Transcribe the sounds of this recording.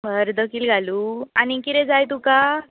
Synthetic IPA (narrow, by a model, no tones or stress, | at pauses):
bəɾd̪əkiːlɡʱaluːanikit̪ɛd͡zajt̪uka